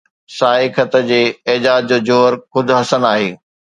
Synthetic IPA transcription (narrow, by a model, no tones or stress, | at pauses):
saːɦɪkʰət̪əd͡ʑeːɪːd͡ʑaːd͡ʑd͡ʑoːd͡ʑoːɾxʊd̪ʱɦɐsənaːɦeː